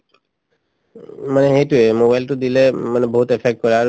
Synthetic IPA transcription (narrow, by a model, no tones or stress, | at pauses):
maneɦeʈuemobajlʈud̪ilemanebɔɦut̪epʰek̚ʈ̚kɔɾaɾ